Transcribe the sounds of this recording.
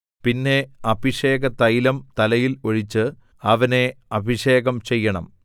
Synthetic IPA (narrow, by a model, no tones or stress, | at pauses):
pinːe̞ɐbʱiʂe̞ːɣɐt̪ɐjilɐmt̪ɐlɐjilo̞ɻit͡ɕːɨ | ɐʋɐne̞ɐbʱiʂe̞ːɣɐmt͡ɕe̞jːɐɳɐ̰m